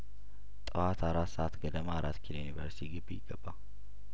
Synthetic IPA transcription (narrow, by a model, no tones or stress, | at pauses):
t̪ʼəwat̪aɾat̪sɐʔat̪ɡɐd̪əmaːɾat̪kʰilojnibəɾst̪ʰiɡɨbːijɪɡːəbːa